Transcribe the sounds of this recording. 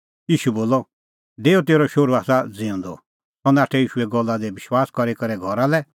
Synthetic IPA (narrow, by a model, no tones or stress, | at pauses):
jiːʃuboːlɔ | ɖeːɔt̪eːɾɔʃoɾuaːsad͡zɪ̃ʊ̃nd̪ɔ̰ | t̪ɔ̃nɛaːʈʰɛiːʃuɛɡɔlːad̪ɛbɪʃwaːskɔɾekɐɾɛɡʱɔɾalɛ